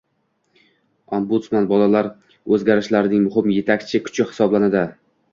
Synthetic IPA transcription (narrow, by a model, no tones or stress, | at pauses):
ɒmbʊt̪smanbɒlalaɾ | ɵzɡʲaɾɪʃlaɾɪnɪŋmʊɦɪmje̞t̪ʰakʲt͡ʃʰɪkʰʊ̥t͡ʃɪhɪ̥sɒblanad̪ɪ